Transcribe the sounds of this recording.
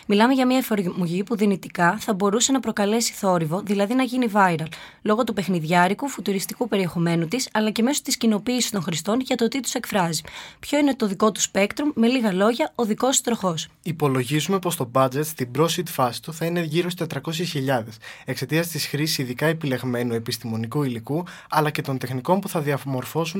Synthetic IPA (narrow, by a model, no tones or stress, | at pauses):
milɐmeʝɐmiɐefoɾmoʝipuðinit̪ikɐθɐbo̞ɾuse̞nɐpɾo̞kɐle̞si̥θo̞ɾivo̞ðilɐðinɐʝinivɐiɾɐl | lo̞ɣo̞t̪upe̞xniðʝɐɾikufut̪uɾist̪ikupe̞ɾie̞xo̞me̞nut̪isɐlɐce̞me̞so̞̥t̪iscino̞piːsi̥st̪o̞nxɾist̪o̞nʝɐt̪ot̪it̪u̥se̞kfɾɐzipço̞ine̞t̪o̞ðiko̞t̪u̥spe̞kt̪ɾumːe̞liɣɐlo̞ʝɐo̞ðiko̞st̪ɾo̞xo̞s | ipo̞lo̞ʝizume̞po̞st̪o̞bɐd͡ze̞t̪st̪ibɾo̞sit̪fɐsi̥t̪uθɐine̞ʝiɾost̪et̪ɾɐko̞sçisçiʎɐðe̞se̞kse̞t̪iɐst̪isxɾisi̥siðikɐe̞pile̞ɣme̞nue̞pist̪imo̞nikuiliku | ɐlɐce̞t̪o̞nt̪e̞xniko̞npuθɐðiɐmo̞ɾfo̞sun